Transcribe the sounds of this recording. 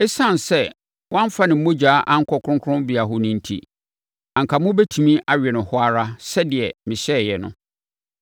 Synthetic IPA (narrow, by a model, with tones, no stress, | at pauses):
ɛ˦sã˦˨n˨sɛ˦ | wã˦m˦fa˦nɪ̃˨m̩˦mõ˦d͡ʑaː˨˦ʔã˦ŋ̩˦kʰɔ˨kʰɾʊ̃˦ŋkʰʊ˦ʊ̃˦bɪ˨a˨ɦʊ˦nʊ̃˦n̩˦˨tʰḭ˦ | ã˨ŋ˨kʰa˨mʊ̃˦bɛ˦tʰu˨mĩ˦ʔa˨ɥᶣɛ˨nʊ̃˨hʊ˦a˦ɾa˦sɛ˦dɪ˨ɛ˨mɪ̃˨ɕɛ˦˨jɛ˨nʊ̰̃˦